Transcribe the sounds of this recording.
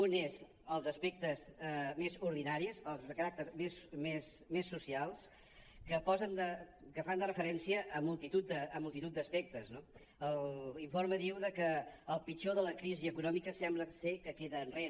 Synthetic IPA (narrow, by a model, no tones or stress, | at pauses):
unez | əlˠzəspɛk̚t̪əzmezuɾðinaɾisəlˠzðəkəɾak̚t̪əɾmesmes | mesːusialˠs | kəpɔzənd̪əkəfand̪ərəfəɾɛnsiəʔəmulˠt̪it̪ut̪̚d̪əːmulˠt̪it̪ut̪̚d̪əspɛk̚t̪əzno | əliɱfoɾməðiwðəkəːlˠpit͡ʃoðələkɾiziəkunɔmikəsɛmbləsekəkeðəːnre